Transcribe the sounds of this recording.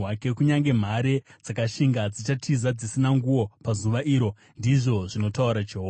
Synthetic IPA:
ake̞kuɲaŋɡe̞m̤aɾe̞d͡zakaʃiŋɡad͡zit͡ʃatʰizad͡zisinaŋɡuwo̞pazuʋaʔiɾo̞ | ndiʐo̞ʐino̞tauɾad͡ʒoɦo

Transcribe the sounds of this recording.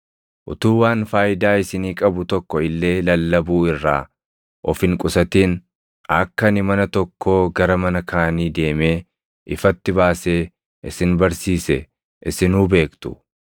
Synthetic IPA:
ʔʊt̪uːwaːnfaːjɪd̪aːɪsɪniːkʼɐbʊt̪ɔkːɔɪlːe̞ːlɐlːɐbuːɪrːa̰ː | ʔɔfɪŋkʼʊsɐt̪iːn | ɐkːɐnɪmɐnɐt̪ɔkːo̞ːɡɐɾɐmɐnɐkʰaːniːd̪e̞ːmeː | ʔɪfɐt̪ːɪbaːse̞ː | ʔɪsɪnbɐɾsiːsɛ | ʔɪsɪnuːbe̞ːkt̪ʊ̥̰

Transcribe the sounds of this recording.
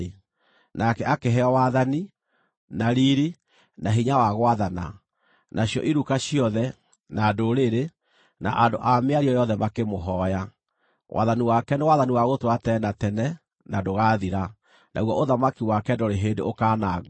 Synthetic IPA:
nakɛʔakeɦɛɔwaðani | naɾiɾi | naɦiɲawaɣoaðana̰ | nʔaɕjɔ̰ʔiɾukaɕiɔðɛ | nadoɾeɾe | na̰ʔandoʔameaɾiɔjɔðɛmakemoɦɔja | wʔa̰ðaniwakɛnewaðaniwaɣotwatɛnatɛnɛ | nadoɣaðiɾa | nʔa̰ɣwɔʔoðamakiwakɛdoɾeɦedḛokanaɣ

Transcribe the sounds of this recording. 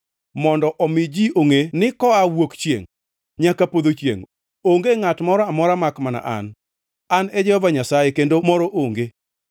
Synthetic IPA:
mɔndɔʔɔmɪd͡ʒioŋenɪkɔawokt͡ʃjḛŋ | ɲakapod̪ot͡ʃjḛŋ | oŋɡeŋatmɔɾɔamɔɾamakmana̰ʔa̰n | anɛd͡ʒɛhɔvaɲasajekendomɔɾɔʔoŋɡe

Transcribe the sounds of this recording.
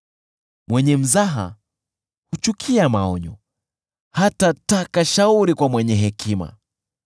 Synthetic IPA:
mwɛɲɛm̩zaɦa̰ | hut͡ʃukʰiamaɔɲɔ̰ | hatatakaʃauɾikwamwɛɲɛɦɛkima̰

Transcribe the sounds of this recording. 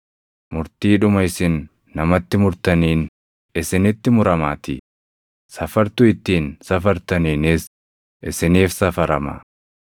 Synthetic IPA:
mʊɾt̪iːᶑʊmɐɪsɪnː | ɐmɐt̪ːɪmʊɾt̪ɐniːn | ɪsɪnɪt̪ːɪmʊɾɐmaːt̪i | sɐfɐɾt̪ʊɪt̪ːiːnsɐfɐɾt̪ɐniːnɪs | ʔɪsɪniːfsɐfɐɾɐma̰ː

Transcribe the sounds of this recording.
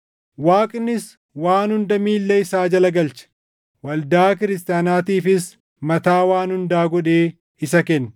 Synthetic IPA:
waːkʼnːɪs | waːnhʊnd̪ɐmiːlːɛɪsaːd͡ʒɐlɐɡɐlt͡ʃɐ̥ | wɐld̪aːk̬ɪɾɪst̪aːnaːt̪iːfɪs | mɐt̪aːwaːnhʊnd̪aːɡɔᶑeː | ɪsɐkɛnː

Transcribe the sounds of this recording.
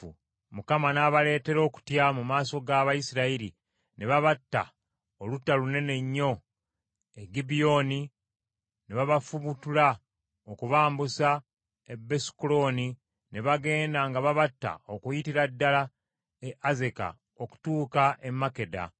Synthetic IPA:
mukamanaβale̞ːte̞ɾo̞ːku̥tjamumaːso̞ɡaːβajisiɾaiɾi | ne̞βaβatːa̰ | olutːalune̞ne̞ɲːo̞ | eɡibijo̞ni | neβaβafuβutula | okuβaːmbusa | ebe̞si̥kulo̞ni | ne̞βaɡe̞ːndaŋɡaβaβatːa̰okujitiɾadːala | eʔaze̞ka̰ | o̞ku̥tuːkaʔe̞mːake̞da̰

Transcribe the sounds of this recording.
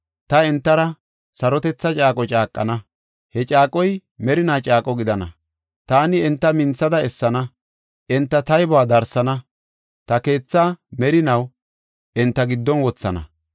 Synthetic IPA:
t̪ɐɛnt̪ːɐɾɐ | sɐɾɔt̪ɛt͡sːɐt͡ʃʼaːkʼɔt͡ʃʼaːkʼːɐ̰nɐ | hɛt͡ʃʼaːkʼɔjmɛɾɪnaːt͡ʃʼaːkʼɔɡɪd̪ɐnɐ̰ | t̪aːnɪɛnt̪ːɐmɪnt͡sːɐd̪ɐɛsːɐnɐ | ʔɛnt̪ːɐt̪ɐjbʊaːd̪ɐɾsɐnɐ | t̪ɐke̞ːt͡sːaːmɛɾɪnɐw | ʔɛnt̪ːɐɡɪd̪ːɔnwɔt͡sːɐnɐ̰

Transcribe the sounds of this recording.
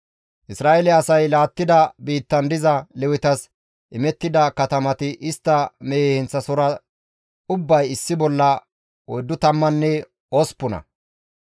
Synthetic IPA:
ʔɪsɾaːʔɛlɛɐsɐjlaːt̪ːɪd̪ɐbiːt̪ːɐnd̪ɪzɐlɛwɪt̪ɐs | ʔɪmɛt̪ːɪd̪ɐkɐt̪ɐmɐt̪ɪʔɪst̪ːɐmeːhɛnt͡sːɐsɔɾɐ | ʊbːɐjɪsːɪbɔlːɐ | ɔjd̪ːʊt̪ɐmːɐnːɛ | ɔspːʊnɐ̰

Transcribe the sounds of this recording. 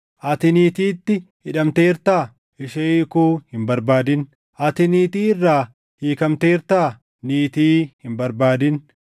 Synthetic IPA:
ʔɐt̪ɪniːt̪iːt̪ːɪhɪᶑɐmt̪eːɾt̪aː | ɪʃeːkuːhɪmbɐɾbaːd̪ɪn | ʔɐt̪ɪniːt̪iːɪrːaː | hiːkɐmt̪e̞ːɾt̪aː | niːt̪iːhɪmbɐɾbaːd̪ɪn

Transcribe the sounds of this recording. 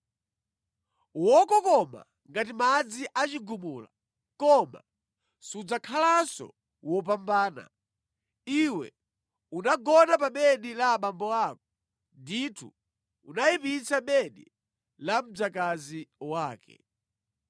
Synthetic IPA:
wɔkɔkɔma̰ | ŋɡat̬imad͡ziʔat͡ʃiɡumula̰ | kɔma̰ | sud͡zakʰalasɔ̰ | wɔp̬ambaːna̰ | iwɛ̰ | unaɡɔnap̬aɓɛɗilaːɓambɔaːk̚ɔ | nditʰṵ | unajipit͡saɓɛɗi | lam̩d͡zakaziwaːkɛ̰

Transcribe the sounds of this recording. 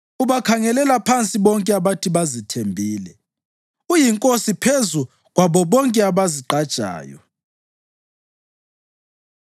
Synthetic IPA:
uβakʰaŋɛlɛlapʰant͡sʼiβɔŋkʼɛaβatʰiβazitʰembʱiːlɛ | ujiŋkʼosipʰezu | ɣwaβɔβɔŋkʼɛaβaziǃad̥ʒ̥ʱʼa̰ːjɔ̰

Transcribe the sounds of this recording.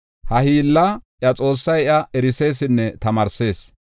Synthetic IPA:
hɐhiːlːɐʔjɐt͡sʼo̞ːsːɐjɪʔɐɛɾɪse̞ːs̬ɪnːɛt̪ɐmɐɾse̞ːs

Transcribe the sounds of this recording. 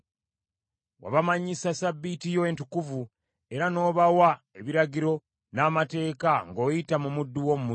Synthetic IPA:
wa̰βamaɲisasabːitijo̞entukuvu | e̞ɾano̞ːβawa | eβiɾaɟiɾo̞ | naːmate̞ːkaŋɡo̞ːjitamumudːuwomumu

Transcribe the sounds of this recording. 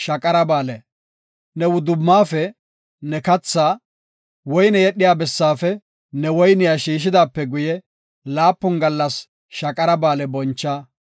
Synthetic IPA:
ʃɐkʼɐɾɐbaːlɛ | nɛwʊd̪ʊmːaːfɛ | nɛkɐt͡sːaː | wɔjnɛjɛɗɪjaːbɛsːaːfɛ | nɛwɔjnɪjaʃiːʃ̬ɪd̪aːpːɛɡʊjɛ | laːpːʊnɡɐlːɐs | ʃɐkʼɐɾɐbaːlɛbɔnt͡ʃːaː

